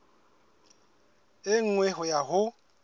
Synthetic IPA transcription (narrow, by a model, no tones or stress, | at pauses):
ɪŋ̩ŋwɛɦʊjaɦʊ